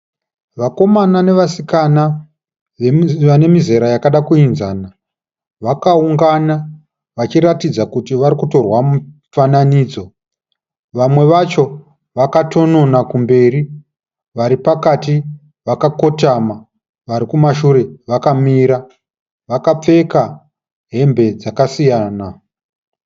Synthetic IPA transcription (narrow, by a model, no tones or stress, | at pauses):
ʋako̞manane̞ʋasikana | eane̞mize̞ɾajakaɗakuinza̰ːna | ʋakauŋɡana | ʋat͡ʃiɾatid͡zakutiʋaɾikuto̞rwamu | fananiːd͡zo̞ | ʋamwe̞ʋat͡ʃo̞ | ʋakatʰo̞no̞nakumbe̞ːɾi | ʋaɾipakati | ʋakako̞tama | ʋaɾikumaʃuɾe̞ʋakamiːɾa | ʋakap͡fe̞ka | ɦe̞mbe̞d͡zakasijaːna